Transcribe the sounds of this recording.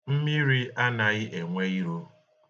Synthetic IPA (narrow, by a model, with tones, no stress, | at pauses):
m̩˦mi˦ɾi˦a˦na˨ɣɪ˦ʔe˨ŋʷe˦i˦ɾo˦